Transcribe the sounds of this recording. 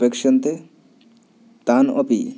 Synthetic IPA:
pekʃɔnt̪e | t̪anopi

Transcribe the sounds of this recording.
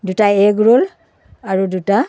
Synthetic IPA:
dutaɛɡɹol | aɹuduta

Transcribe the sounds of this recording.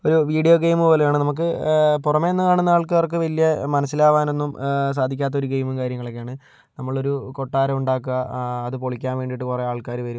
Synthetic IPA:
o̞ɾuʋiːɖijo̞ːɡejmupo̞ːlejaːɳɨnɐmuk̬ːɨpurɐmeonːɐkaːɳunːɐaːɭk̬ːɐʋɐrk̬ɨʋɐlijɐmɐnɐs̬ːilaːʋaːno̞nːums̬aːd̪ʱikʲːaːt̪ːɐo̞ɾuɡejmumkaːɾjɐŋːɐɭokːejaːɳɨ | nɐmːɐɭo̞ɾuko̞ʈːaːɾɐmuɳɖaːkːɨɐːðɨpoɭikʲːaːnʋe̞ːɳɖiʈːɨkureaːɭkaːɾuʋɐɾum

